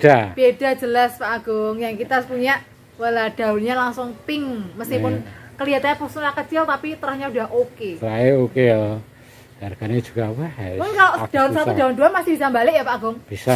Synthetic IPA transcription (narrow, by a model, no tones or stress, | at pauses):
d̥ab̥eda̤d͡ʒəlaspaʔːɡ̥ʊŋjaŋkit̪asəpuɲaʔ | walad̥a̤unɲalaŋsʊŋpɪŋməsk̪ipʊnkəliat̪aɲapəsnlakət͡ʃɪlt̪apit̪əɾahɲaudaɦʔokesɾaeokeɔ | darɡ̥ane̥d͡ʒ̥uɡ̥awahamʊnkaloʔd̥aʊnsat̪udaunduamasib̥isambalɪʔjapaʔaɡʊŋb̥isa